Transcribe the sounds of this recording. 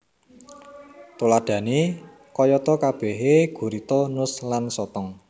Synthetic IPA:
t̪olaɖ̪̥ä̤ne | kɔjɔt̪ɔkab̥ɛ̤ɦeɡ̥ṳɾit̪ɔnʊslansɔt̪ɔŋ

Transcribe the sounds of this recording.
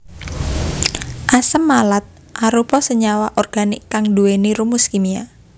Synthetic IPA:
ʔasəmːalat̪̚ | ʔaɾupɔsəɲawaʔɔrɡ̥anɪkːaŋduweniɾumuskimia̰

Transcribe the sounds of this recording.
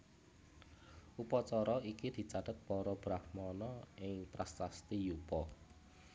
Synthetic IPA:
ʔupɔt͡ʃɔɾɔikid̪̥i̤t͡ʃad̪̥ət̪̚pɔɾɔb̥ɾahmɔnɔɪŋt̪ɾast̪ast̪ijupɔ

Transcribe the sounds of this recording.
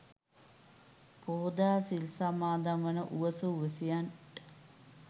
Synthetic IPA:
poːd̪aːsilsamaːd̪amʋɐnəʔuʋəsəuʋəsijan

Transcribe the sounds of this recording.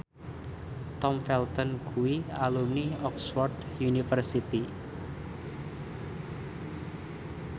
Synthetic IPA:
t̪ɔmfɛlt̪ɔnkʰuwialumniɔksfɔrd | junifərsit̪i

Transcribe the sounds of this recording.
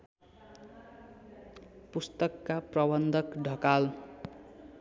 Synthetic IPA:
pust̪ʌkːaprʌbʌnd̪ʱʌkɖʱʌkal

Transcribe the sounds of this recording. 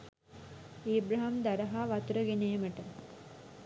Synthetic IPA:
eːbɾɐɦamd̪aɾəɦaʋat̪uɾəɡenejməʈə

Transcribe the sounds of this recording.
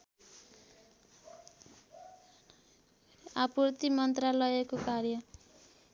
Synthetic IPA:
apurt̪imʌnt̪ralʌekokarjʌ

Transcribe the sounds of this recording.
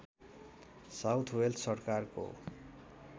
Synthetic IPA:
sawt̪ʰweldsʌrkarko̰

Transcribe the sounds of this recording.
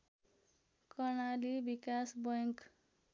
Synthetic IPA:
kʌrnalibikasbʌjʌŋk

